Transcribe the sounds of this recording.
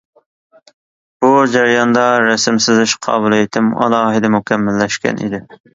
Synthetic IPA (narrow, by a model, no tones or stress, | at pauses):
b̥ud͡ʒæɾijɑnd̪ɑɾɛsɪmsɪzɪʃqʰɑ̰ːbulˠejt̪ʰɪmɑ̰lˠɑːɦɪd̪ɛmukʲʰɛmːælːɛʃkʲɛ̰nʔḭd̪ɪ